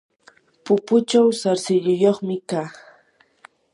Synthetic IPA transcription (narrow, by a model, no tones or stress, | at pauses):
pʊpʊt͡ʃawsaɾsɪʎʊjoχmɪkaː